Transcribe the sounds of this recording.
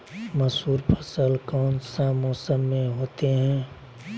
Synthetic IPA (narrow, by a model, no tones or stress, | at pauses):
məsuːɾpʰəsəlkɔːnsaːmoːsəmːẽɦoːt̪eɦɛ̃